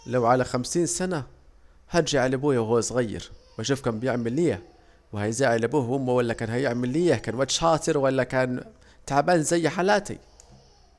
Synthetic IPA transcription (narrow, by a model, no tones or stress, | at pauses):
lawʕalaxamsiːnsana | haɾˤd͡ʒaʕalabuːjawhuːasˤɣajːɪ̰ɾwaʃuːfkaːnbɪjɪʕmɪlːiːa | wɪhajzaːʕɪlabuːhʔʊmːawalːakaːnhajɪʕmɪlːiːakaːnwat̪ːʃħɑːt̪ˤɨɾwalːakaːn | t̪aʕbaːnzajːħalaːt̪ḭ